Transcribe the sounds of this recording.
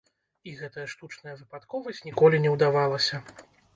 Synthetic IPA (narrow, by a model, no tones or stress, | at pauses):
iɣɛt̪ɐjɐʂt̪ut͡ʂnɐjɐvɨpat̪kɔvɐsʲt͡sʲnʲikɔlʲinʲɛwd̪avalˠɐsʲɐ